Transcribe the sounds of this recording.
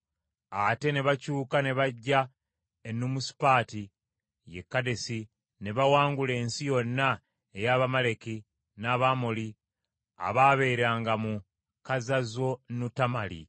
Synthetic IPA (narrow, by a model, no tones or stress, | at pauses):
ate̞ne̞βacuːkane̞βaɟːa | enːumusi̥paːti | je̞̰kːade̞si | ne̞βawaːŋɡule̞ːnsijo̞nːa | ejaβamale̞ki | naβaːmoli | a̰βaːβe̞ːɾaːŋɡamu | kazazo̞nutamalḭ